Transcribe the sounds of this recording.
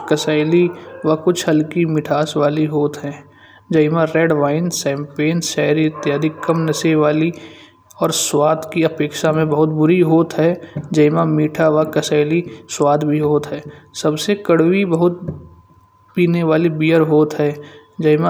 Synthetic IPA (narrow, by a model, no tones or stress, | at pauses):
kəsaːɪliʋakʊt͡ʃʰɦəlkimɪʈʰaːsʋaːliɦoːt̪ɦɛ̃ː | d͡ʒɐɪmãɾeːɖʋaːɪnsɛ̃ːmpeːnʃɛːɾiɪt̪jaːd̪ʱikɐmnəseʋaːli | ɔːɾswaːd̪kiɐpeːkʃamẽbɐɦʊt̪̚bʊɾiɦoːt̪ɦɛːd͡ʒɐɪmãmiːʈʰaʋakəsaːɪliswaːd̪bʱiɦoːt̪ɦɛːsɐbsekəɽwibəɦʊt̪̚ | piːneʋaːlibiːəɾɦoːt̪ɦɛ̃ːd͡ʒɐɪmã